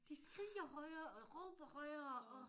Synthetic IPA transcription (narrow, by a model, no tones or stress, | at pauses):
d̥isɡ̥ʁḭːɐhɒɪɐːɒʁɔ̰ːb̥ɐhɒɪɐɒ